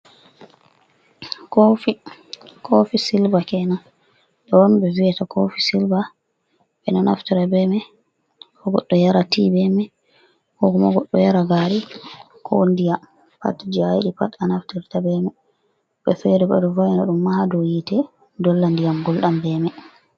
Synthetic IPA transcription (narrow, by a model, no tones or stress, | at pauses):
kofikʰofisilbakɛna | ɗɔɔnbɛviɛtakʰofisilba | ɓɛnɔna̰ftiɾabɛmɛ | kɔɡɔɗːɔjaɾatibɛmɛ | kɔkɔmaɡɔɗːɔjaɾaɡaɾi | kʰɔ̰ndijam | pa̰td͡ʒajiɗipatanaftiɾtabɛmɛ | ɓɛfɛɾɛba̰dɔvajnaɗumːahadɔjitɛ | dɔlːandijamɡɔlɗambɛmɛ